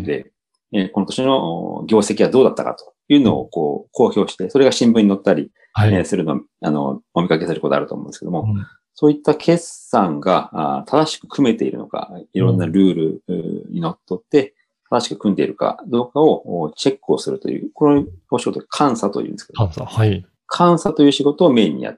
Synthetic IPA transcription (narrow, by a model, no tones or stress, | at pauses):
d̪e | ko̞no̞t̪o̞ɕino̞̰ɡʲo̞ːse̞kʲiβad̪o̞ːd̪at̪ːaka̰t̪o̞̥jɯ̟ːno̞̰ːko̞ːkʰo̞ːçʲo̞ːɕi̥t̪e̞so̞ɾe̞ɡaɕĩmbɯ̃ɲ̟inot̪ːaɾʲi | sɨɾɯ̟no̞̰ | a̰no̞̰mo̞mʲikake̞sɨɾɯkot̪oa̰ɾɯ̟t̪o̰ːmõnd̪esɨkeomo̞ | so̞ːit̪ːakʰe̞sãŋɡa̰t̪ʰad̪aɕi̥kɯ̟̥kʰɯ̟me̞t̪e̞ḭɾɯ̟no̰ka̰iɾõ̞nːaɾɯ̟ːɾɯ̟ɲḭno̞t̪ːo̞t̪ːe̞ | t̪ad̪aɕi̥kɯ̟̥kɯ̟̃nd̪e̞ḭɾɯ̟ka̰d̪o̞ːkao̞t͡ɕe̞kːɯo̞sɨɾɯ̟t̪o̞̰jɯ̟̰ːkonooɕiɡo̞t̪o̥kʰãɰ̃sat̪o̞̰jɯ̟̰̃neskeo | kʰãɰ̃sat̪o̞jɯːɕiɡo̞t̪o̞ːme̞ːɲ̟ːḭja̰t̪ːe̥